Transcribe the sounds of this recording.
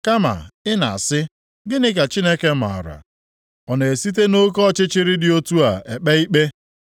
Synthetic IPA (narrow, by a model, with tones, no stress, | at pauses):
ka˦ma̰˨ɪ˦na̰˨a̰˨sɪ˦ | ɡɪ˦nɪ˦ka˨t͡ʃi˦ne˦ke˦m̩˨a̰˨ɾa̰˨ | ɔ˨ne˨e˨si˦t̬e˦no˦kɔ˦˨t͡ʃɪ˦t͡ʃɪ˦ɾɪ˦dɪ˨o˦tu˦a˨e˨k͡pe˦i˦k͡pe˦